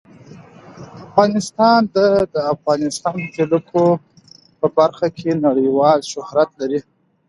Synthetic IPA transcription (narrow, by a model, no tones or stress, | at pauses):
afɣɑnɪst̪ɑnd̪ad̪əafɣɑnɪst̪ɑnd̪əzeləkʰo | pəbaɾxakʰenaɽəjwɑlʃʊhɾat̪laɾi